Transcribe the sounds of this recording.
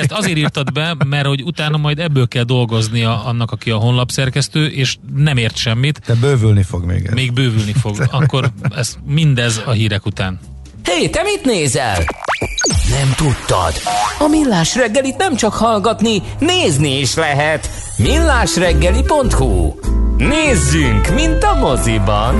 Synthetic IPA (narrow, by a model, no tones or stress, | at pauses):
ɛst̪ɒzeːɾiːrt̪ɒd̪bɛmɛrho̞ɟut̪aːnɒmɒjd̪ɛbːøːlkɛld̪o̞lɡo̞znijɒɒnːɒkɒkiɒɦo̞nlɒpsɛrkɛst̪øːʔeːʃnɛmeːrt̪ʃɛmːit̪d̪̥ɛbøːvylnifoɡmḛːɡɛmeːɡ̚bøːvylnifo̞ɡɒkkːo̞rɛsmind̪ɛzɒɦiːɾɛkut̪aːn | heːt̪ɛmit̪neːzɛ̰l | nɛmt̪ut̪ːɒ̰d̪̥ɒmilːaːʃrɛɡːɛlit̪nɛmt͡ʃɒkhɒlɡɒt̪ni | neːzniiʃlɛɦɛt̪ | milːaːʃrɛɡːɛlipo̞nt̪hṵ | neːzːyŋkmint̪ɒmozibɒn